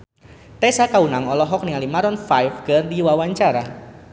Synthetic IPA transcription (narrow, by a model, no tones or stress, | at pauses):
t̪ɛsakaunaŋɔlɔɦɔk̚niŋalimaɾɔnfajfɡərdiwawaɲt͡ʃaɾa